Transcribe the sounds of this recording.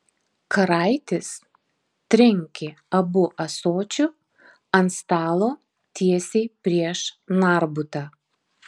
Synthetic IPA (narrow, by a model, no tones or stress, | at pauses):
kɐɾɐˑɪt̪ʲɪs | t̪ʲɾʲɪŋʲkʲɪɐbʊʔɐsoːt͡ʃʲʊ | ɐnst̪ɑːlˠoː | t̪ʲiɛsʲɛɪpʲɾʲiɛʃnɑˑɾbʊt̪ɑ